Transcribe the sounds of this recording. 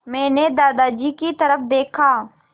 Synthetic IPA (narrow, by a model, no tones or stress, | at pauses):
mɛ̃ːned̪aːd̪ad͡ʒiːkit̪ɐɾəfd̪eːkʰaː